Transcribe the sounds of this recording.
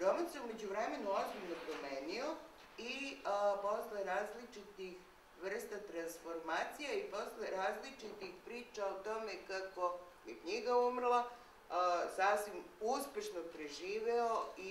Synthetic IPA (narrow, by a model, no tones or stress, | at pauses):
ɾomaseume̞d͡ʑuʋɾeme̞nuozbilʲnopɾome̞ːnio | ipo̞sleɾaːzlit͡ʃit̪ix | ʋr̩st̪at̪ɾansfo̞ɾmaːt̪sijaipo̞sleɾaːzlit͡ʃit̪ixpɾiːt͡ʃaot̪o̞me̞kako̞mikɲiɡaumrlˠa | saːfsʋimuspʲje̞ʃnopɾeʒiːʋeoi